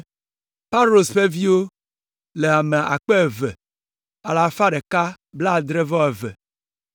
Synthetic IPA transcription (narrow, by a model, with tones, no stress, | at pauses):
pa˦lo˨sɸe˦vi˦wo˦ | le˨a˨me˨ʔa̰˨k͡pe˦˨ve˨ | a˨la˨fa˦ɖe˨ka˦ | bla˦˨d̪ɾe˦vɔ˦e˨vɛ˨